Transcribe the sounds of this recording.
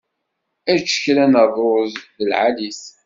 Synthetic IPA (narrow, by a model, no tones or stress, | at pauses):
æt͡ʃːə̥çɾænəðˤɾozðəlʕalis